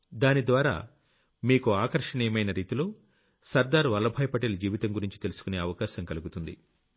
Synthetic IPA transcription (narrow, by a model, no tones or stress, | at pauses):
d̪aːnid̪ʋaːɾa̰ː | miːkuaːkɐɾʂɐɳiːjɐmɐjnɐɾiːt̪ilo̞ː | sɐɾd̪aːɾʋɐlːɐbʱɐːjɐpɐʈeːlɐd͡ʒiːʋit̪ɐŋɡuɾiɲt͡ʃit̪e̞lusu̥kune̞ːɐʋɐkaːʃɐŋkɐluɡut̪und̪ḭ